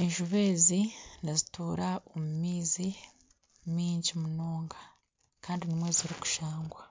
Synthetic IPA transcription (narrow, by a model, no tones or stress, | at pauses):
e̞ɲʒuβe̞ːzinazituːɾao̞mumiːzi | miːɲɟimunoːŋɡa | kaːndinimwe̞ːziɾiku̥ʃaːŋɡwa